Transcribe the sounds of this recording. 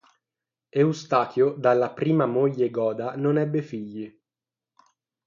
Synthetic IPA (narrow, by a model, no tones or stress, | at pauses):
eust̪aːk̪jod̪alːapɾiːmamoʎːeɡɔːd̪anonɛbːefiʎːi